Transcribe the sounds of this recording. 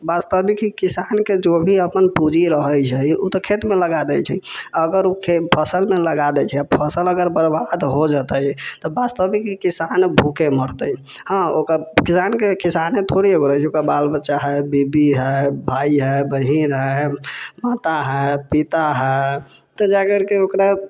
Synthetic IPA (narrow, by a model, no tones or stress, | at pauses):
bast̪əbikikisanked͡ʒobʱiəpənpud͡ʒʱiɾəɦət͡ʃʰɛut̪ɔkʰet̪meləɡad̪ɛt͡ʃʰɛəɡəɾukʰepʰəsəlmeləɡad̪ɛt͡ʃʰɛapʰəsələɡəɾbəɾbad̪ɦod͡ʒət̪əjt̪ɔbast̪əbikikisanbʱukeməɽt̪ə | hə̃okəkisankekisanet̪ʰoɽieɦoɾt͡ʃʰokabalbətːʃaɦɛbibiɦɛbʱaiɦɛbəɦiɾɦɛmat̪aɦɛpit̪aɦɛ | t̪ɔd͡ʒaɡəɾkeokɾa